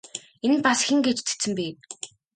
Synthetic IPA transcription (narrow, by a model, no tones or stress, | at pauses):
enpasxʲĭŋɡet͡ɕt͡sʰe̥t͡sɘ̆mpeː